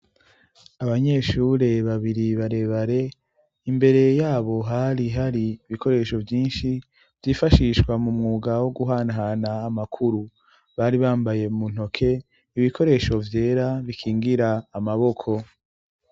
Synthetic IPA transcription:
aβaɲe̞ʃuːɾe̞βaβiɾiβaɾe̞βaɾe̞ | imbe̞ɾe̞jaːβo̞ɦaɾiɦaɾiːβikʰo̞ɾe̞ʃo̞vjiːnʃi | vjifaʃiʃkwamumŋuːɡawo̞ɡuɦaːnɦanaːmakʰuɾu | βaɾiβaːmbaje̞mun̥ho̞kʰe̞ | iβikʰo̞ɾe̞ʃo̞vje̞ːɾaβikʰiːŋɡiɾaːmaβo̞kʰo̞

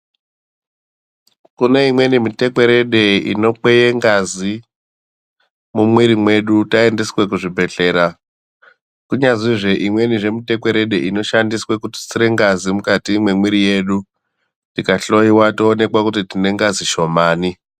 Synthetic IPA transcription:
kuneimwe̞nimite̞kwe̞ɾe̞ɗe̞ḭno̞k͡pejeŋɡazi | mumwiɾimwe̞ɗutaendiswe̞kuʐibʱe̞ɬe̞ːɾa | kuɲaziʐe̞ʔimwe̞niʐe̞mite̞kwe̞ɾe̞ɗeʔino̞ʃandiswe̞kuti̥t͡siɾe̞ŋɡazimukatimwemwiɾije̞ːɗu | tikaɬo̞iwatoːne̞kwakutitine̞ŋɡaziʃo̞maːni

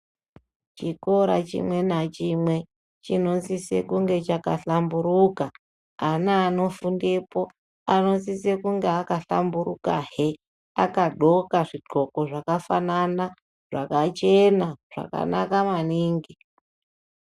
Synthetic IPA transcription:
t͡ʃiko̞ɾa̰t͡ʃḭmwe̞nat͡ʃimwe̞ | t͡ʃino̞nsise̞̰kuŋɡe̞t͡ʃakaɬambuɾuka | anaːno̞fundepo̞ | ano̞nsise̞kuŋɡeakaɬa̰mburukaɦe | akaɗo̞kaʐiɡ͡ǃoko̞ʐakafanana | ʐakat͡ʃe̞naʐ̥a̰ka̰nakamaniːŋɡi

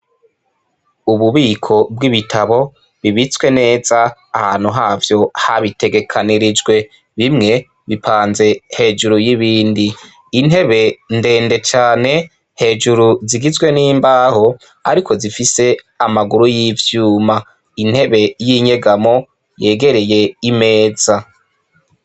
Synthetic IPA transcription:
uβuβiːkʰo̞bwiβitʰaβo̞ | βiβit͡swe̞ne̞ːzaːhaːn̥huɦaːvjo̞haβite̞ɡe̞kʰaniɾid͡ʒɡwe̞ | βimŋe̞ | βipʰaːnze̞he̞ːʒuɾujiβiːndiː | ne̞βe̞nde̞ːnde̞t͡ʃaːne̞ | he̞ːʒuɾuziɡizɡwe̞niːmbaːho̞ | a̰ɾikʰo̞zifise̞ | amaɡuɾujivjuːma | in̥he̞βe̞jiɲe̞ɡamo̞ | je̞ːɡe̞ɾe̞je̞ime̞ːz̥a

